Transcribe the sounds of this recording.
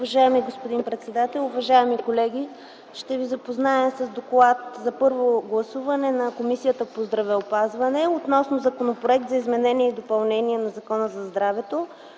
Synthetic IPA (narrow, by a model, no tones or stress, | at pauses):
ʊvɐʒaɛmiɡospod̪inpɾɛt̪sɛd̪at̪ɛlˠʊvɐʒaɛmikolɛɡʲi | ʃt̪ɛvizɐpoznaɛsɐzd̪oklˠat̪zɐpɤɾvoɡlˠɐsuvɐnɛnɐkomisijət̪əpozd̪ɾɐvɛopazvɐnɛot̪nɔsnozɐkonopɾoɛk̚t̪zɐizmɛnɛniɛid̪opɐlˠnɛniɛnɐzɐkɔnəzɐzd̪ɾavɛt̪o